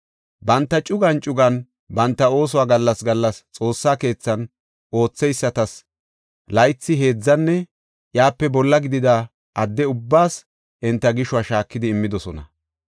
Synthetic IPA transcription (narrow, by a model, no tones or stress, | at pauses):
bɐnt̪ːɐt͡ʃʼʊɡɐnt͡ʃʼʊɡɐn | bɐnt̪ːɐo̞ːs̬ʊwaːɡɐlːɐsɡɐlːɐst͡sʼo̞ːsːaːke̞ːt͡sːɐn | ʔo̞ːt͡sːɛjsːɐt̪ɐs | lɐjt͡sːɪɦe̞ːd͡zːɐnːɛ | jaːpːɛbɔlːɐɡɪd̪ɪd̪ɐ | ʔɐd̪ːɛʊbːaːs | ʔɪnt̪ːɐɡɪʃʊwaːʃaːkːɪd̪ɪːmːɪd̪ɔsɔnɐ̰